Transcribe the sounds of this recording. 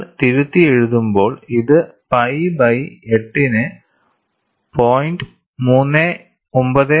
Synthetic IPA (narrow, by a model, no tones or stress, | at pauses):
t̪iɾut̪ːieɻuðumbo̞ːɭiðɨpɐjbɐjeʈːinɨ | pʰoːjnɖɨ | muːnːe | ombɐðɨ